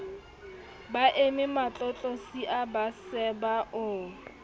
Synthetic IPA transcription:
baʔemɪmat͡ɬʼɔt͡ɬʼosiʔabasɛbaʔʊ

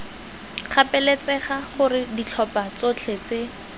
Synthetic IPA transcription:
χapɛlet͡sɛχaχʊrɪdit͡ɬʰɔpat͡sot͡ɬʰet͡se

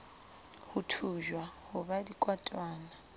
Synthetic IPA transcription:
hutʰuʒwahʊbadikʼwatʼwaːna

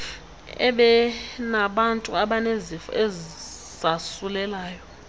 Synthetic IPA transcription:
ɛ̰ɓɛnaɓantʼuaɓanezifɔ̰ʔɛ | z̥asulɛlaːjɔ

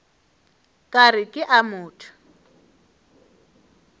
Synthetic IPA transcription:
kʼarɪkʼɪʔamʊːtʰḁ

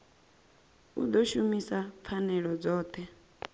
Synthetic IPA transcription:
ṵd̪ɔʃumisap̪fʰanɛɺɔd͡zɔːt̪ʰɛ

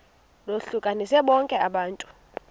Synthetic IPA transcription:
loɬukʼanisɛɓɔŋkʼɛaɓaːntʼu̥

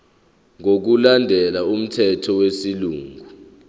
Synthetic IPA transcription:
ŋok̬ulandʱɛlaum̩tʰɛtʰɔwesiluːŋʱu

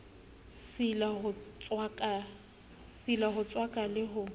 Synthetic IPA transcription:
silahʊt͡swakʼa | silaɦʊt͡sʼwakʼalɪɦʊ

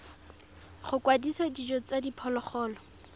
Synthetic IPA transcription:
χʊkwadisadid͡ʒɔt͡sadipʰɔlɔχɔːlɔ

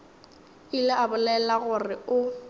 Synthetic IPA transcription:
ilɪabʊlɛlaɣʊrɪʊ

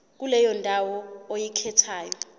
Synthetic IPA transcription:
k̬ulɛjɔndʱawɔojikʰɛtʰaːjɔ

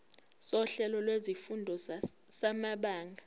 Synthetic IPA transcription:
sɔɬɛlɔlwezifundʱɔsamaɓaːŋɡʱa

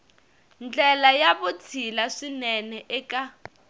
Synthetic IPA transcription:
nd͡ɮɛlajaβut͡sʰilaʂinɛnɛʔɛka

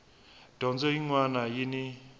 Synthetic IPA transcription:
d̥ɔnd͡zɔjiŋwanajini

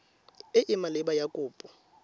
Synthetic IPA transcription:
ɪʔɪmalɪɓajakʼuːpʼɔ

